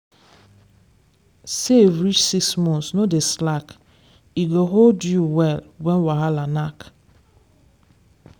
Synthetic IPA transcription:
sevɾit͡ʃsiksmɔ̃ntsnodeslak | iɡoɦoldjuwɛlwɛnwaɦalanak

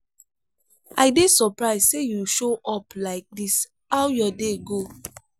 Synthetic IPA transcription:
aɪdesɔpɹaɪzsejuʃoʔɔplaɪk̚dis | awjɔdeɡo

